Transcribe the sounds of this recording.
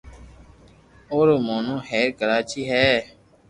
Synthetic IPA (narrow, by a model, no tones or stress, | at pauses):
oːɾoːmoːnõːhɛːɾkəɾaːt͡ʃiːɦɛː